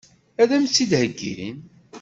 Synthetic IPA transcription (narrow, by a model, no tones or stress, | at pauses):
æðæmsid̪həɡːḭɾḭn